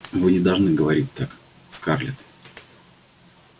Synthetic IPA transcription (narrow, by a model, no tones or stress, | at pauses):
vɨnʲɪd̪ɐlˠʐnɨɡəvɐɾʲit̚ʲt̪ak | skarlʲɪ̰t̪